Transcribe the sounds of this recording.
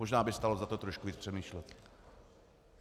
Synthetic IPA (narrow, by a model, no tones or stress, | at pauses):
oʒnaːbɪst̪alozat̪ot̪ɾoʃkuviːt͡spr̥ɛmiːʃlɛt̪